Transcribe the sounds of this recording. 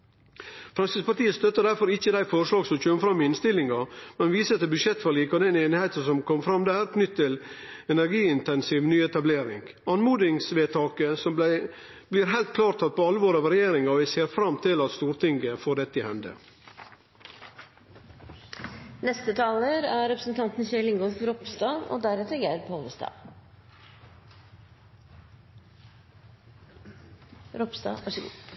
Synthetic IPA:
fɾɑŋsəspɑʈ̪iːəst̪œt̪ːəɖ̪æɾfɔɾɪçːəd̪æɪfɔɾʂlɑːɡsɔmçøːməfɾɑmːɪɪnst̪ɪlːɪŋɑmɛnʋiːsəɛt̪ːəbʉʂjɛt̪ːfɑɭiːkɔd̪ɛneːnɪheɪt̪əsɔmkʰɔmfɾɑmːd̪æːɾknʏt̪ʰːtːɪl | ɛnæɾɡiːɪnt̪ɛnsiːʋnyːɛt̪ɑbleːɾɪ̰ŋɡ | ɑnmuːd̪ɪŋsʋeːt̪ʰɑːkəsɔmb̪æɪ | bliːɾɦæɪlt̪̚kʰlɑːɾt̪ʰɑt̪̚pʰɔɑləʋoːɾɑʋɾɛjeːɾɪŋɑʋɪseːɾfɾɑmt̪ʰɪlɑt̪st̪uːɾt̪ʰɪŋɡəfoːɖɛt̪ːəɪhɛnd̪ə̰ | nɛst̪ət̪ʰɑːləɾæɾɛpɾəsn̩t̪ʰɑnt̪n̩çɛlɪŋɡɔlfɾɔpst̪ɑːo̰ːd̪æɾɛt̪əɡæɾpʰoləst̪ɑ̰ː | ɾɔpsd̪ɑ̰ːʋɑʂəɡ̰ː

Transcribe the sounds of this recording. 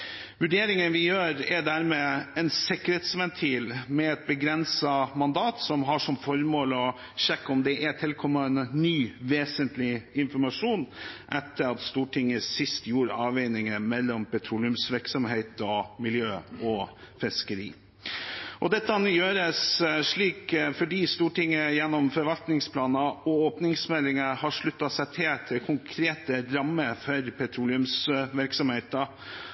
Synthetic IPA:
ʋʉɖeːɾɪŋənʋɪjøːɾɛd̪æːɾmeːɛnsɪkːəɾeːt̪sʋɛnt̪ʰiːlmɛɛt̪̚bəɡɾɛnsɑmɑnd̪ɑːt̪sɔmɦɑʂɔmfɔɾmoːlɔ | ɕɛkːɔmd̪ɛʔæt̪ʰɪlkʰɔmːənːyːʋeːsənt̪lɪɪnfɔɾmɑʂuːnʔɛt̪ːəɾɑt̪st̪uːʈʰɪŋːəsɪst̪juːɾɑːʋeɪnɪŋəmɛlːɔmpɛt̪ʰɾuːlɪʉmsʋɪɾksɔmɦeɪt̪ɔmɪljøːɔ | fɪskəɾḭː | ʔɔd̪ɛt̪ːəɑnjøːɾəsʂɭiːkfɔɖiːst̪uːʈɪŋːəjɛnːɔmfɔɾʋɑlt̪nɪŋspʰlɑːnɑɔoːpnɪŋsmɛlːɪŋəhɑʂɭʉt̪ːɑsɛɪt̪ʰɪlt̪ʰɪlkʰʊŋkʰɾeːt̪əɾɑmːəɾfɔɾpʰɛt̪ʰɾuːlɪʉmsʋɪɾksɔmheɪt̪ə

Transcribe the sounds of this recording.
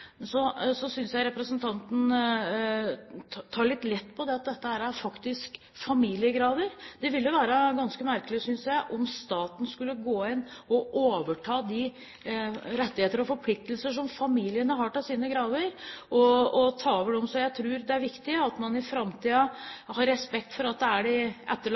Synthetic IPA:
sɔsɔsʏnsjæɪɾɛpɾəsənt̪ʰɑnt̪n̩ | t̪ʰɑːɭɪt̪ːlɛt̪ːpʰɔd̪ɛɑt̪̚d̪ɛt̪ːəhæːɾæɾfɑkt̪ɪsk | fɑmiːlɪəɡɾɑːʋ̪əɾd̪̥ɛʋɪljʊʋæːɾəɡɑnskəmæɾkəlɪsʏnsjæɪʔɔmst̪ɑːt̪n̩skʉlːəɡoːɪnːɔʔoːʋəʈʰɑːd̪ɪ | ɾɛt̪ːɪheːt̪əɾɔfɔɾpʰlɪk̚t̪əlsəʂ̬ɔmfɑmiːlɪənəɦɑʈɪlsiːnəɡɾɑːʋəɾʔɔɔt̪ʰɑːoʋəɖɛɔmsɔjæɪt̪ʰɾʉːɾd̪ɛæɾʋɪkt̪ɪəɑt̪mɑnɪfɾɑmt̪ʰiːɑhɑɾːɛspɛkt̪fɔɾɑt̪̚d̪ɛæɖɪʔɛt̪ːə

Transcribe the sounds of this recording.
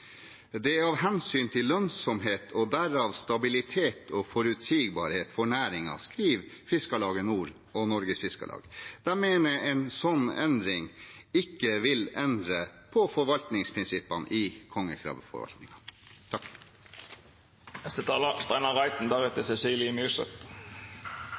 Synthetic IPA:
d̪ɛɑːʋɦɛnsyːnt̪ʰɪlːœnsɔmɦeːt̪ʰɔd̪æɾɑːʋst̪ɑbɪlɪt̪ʰeːt̪ʰɔfɔɾʉt̪siːɡbɑːɾheːt̪fɔɳæːɾɪŋɑ̰skɾiːʋfɪskɑlɑːɡənuːɾ | ɔnɔɾɡəsfɪskə̰lɑ̰ːɡd̪̥æmeːnəɛnsɔnːɛnd̪ɾɪŋɪkːəʋɪlɛnd̪ɾəpʰɔfɔɾʋɑlt̪nɪŋspʰɾɪnsɪpːɑnɪkʰɔŋːəkʰɾɑ̰ːʋfɔ̰ɾʋɑ̰lt̪nɪ̰ŋɑt̪ʰɑk | ɛst̪ət̪ʰɑːləst̪æɪnɑʁɑɪt̪n̩d̪æʁɛt̪əsɛsiːlɪmʉːsə̰t̪

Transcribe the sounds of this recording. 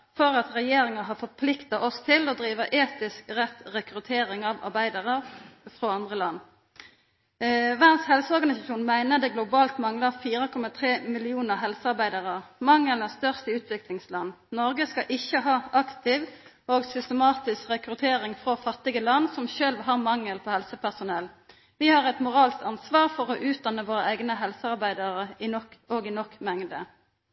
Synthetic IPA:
fɔʁɑt̪ʁɛjeːɾɪŋəɦɑːfɔʁpʰlɪkt̪ɑʔɔst̪ʰɪlɔd̪ɾiːʋəʔeːt̪ɪskʁɛt̪ʁɛkɾʉt̪ʰeːɾɪŋɑʋɑ̰ʁbæɪd̪ɑʁəʁfʁoɑnd̪ʁəlɑnː | ʋæʁnshɛlsəɔʁɡɑnɪsɑʃuːnmæɪnəd̪ɛːɡlʊbɑːlt̪mɑŋləʁfiːʁəkʰɔmɑt̪ʰʁeːmɪlɪuːnəʁɦɛlsəɑɾbæɪd̪ɑʁəʁmɑŋːələst̪œʁst̪əʉːt̪ʰʋɪklɪŋslɑnː | nɔʁɡəskɑʔɪçəɦɑːɑkt̪ɪʋ | oːɡsʏst̪əmɑːt̪ɪskʁɛkʁʉt̪ʰeːʁɪŋfʁofɑt̪ːɪɡəlɑnːsɔmʃølʋɦɑːʁmɑŋːəlpʰɔːhɛlsəpæʁsʊnɛl | ʋɪhɑʁɛt̪mʊʁɑːlskt̪ɑnsʋɑːʁfɔʁɔʔʉːt̪̚d̪ɑnːəʋoːʁəʔæɪɡnəɦɛlsəɑʁbæɪd̪ɑʁəɪnɔkoːɡɪnɔkːmɛŋd̪ə

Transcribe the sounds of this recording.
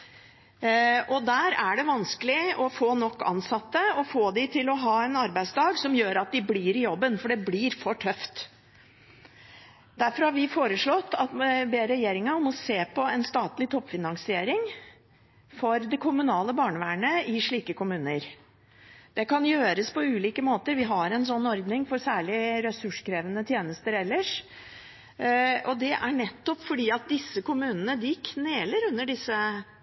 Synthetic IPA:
ʔɔd̪æːɾæɖɛʋɑnskəlɪɔfoːnɔkːɑ̰nsɑt̪ːəɔfoːd̪ɪt̪ʰɪlɔɦɑːɛnɑɾbæɪd̪sd̪ɑːɡsɔmjøːɾɑt̪̚d̪ɪblɪːɾɪjɔbːənfɔɖɛblɪɾfɔʈʰœft̪ | d̪æɾfɔɾhɑɾʋɪfoːɾəʂɭɔt̪ːɑt̪beːɾɛjeːɾɪŋɑɔmɔseːpʰɔɛnst̪ɑːt̪lɪt̪ʰɔpːfɪnɑŋsɪeːɾɪŋ | fɔɾd̪ɛkʰʊmʉnɑːləbɑːɳəʋæːɳəɪʂɭiːkəkʊmʉːnəɾ | d̪̥ɛkʰɑnjøːɾəspɔʉːliːkəmoːt̪əɾʋɪɦɑɾɛnsɔnːɔɾd̪nɪŋfɔɾsæːɭɪɾɛsʉʂkʰɾeːʋənət̪ʰjeːnəst̪əɾɛlːəʂ | ɔd̪ɛʔæɳɛt̪ːɔpfɔɖiːɑt̪̚d̪ɪsːəkʊmʉːnənəd̪ɪkʰneːləɾʉnːəɖɪsːə

